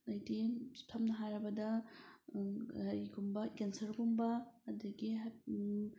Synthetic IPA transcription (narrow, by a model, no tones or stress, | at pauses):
ɐjditʰɐmnɐɦajɾɐbɐdɐ | ɐɾiɡumbɐkensɐɾɡumbɐːdɐɡiɦa